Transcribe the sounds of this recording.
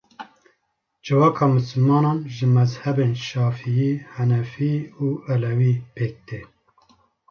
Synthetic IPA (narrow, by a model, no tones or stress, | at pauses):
d͡ʒɨvɑːkʰɑːmɨsɨlmɑːnɑːnʒɨmɛzhɛbeːnʃɑːfijiːhɛnɛfiːuːʔɛlɛwiːpʰeːk̚d̪e